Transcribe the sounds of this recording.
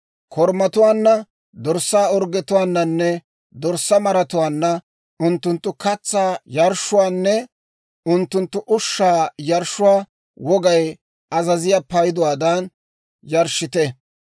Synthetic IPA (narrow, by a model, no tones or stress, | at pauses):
kʰɔɾmɐt̪ʊwaːnːɐ | d̪ɔɾsːaːɔɾɡɛt̪ʊwaːnːɐnːɛ | d̪ɔɾsːɐmɐɾɐt̪ʊwaːnːɐ | ʊnt̪ːʊnt̪ːʊkɐt͡sːaːjɐɾʃːʊwaːnːɛ | ʊnt̪ːʊnt̪ːʊʔʊʃːaːjɐɾʃʊwaː | wɔɡɐj | ɐzɐzɪjaːpɐjɪd̪ɔwaːd̪ɐn | jɐɾʃːɪt̪ɛ